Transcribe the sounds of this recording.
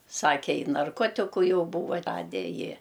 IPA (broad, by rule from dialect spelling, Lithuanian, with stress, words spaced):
ˈsɑːkʲɛ ˈɪ nɐrˈkoːtʲɪkʊ ˈjɛʊ ˈbuːʋɐ ˈrɑːdʲɛ ˈjɪ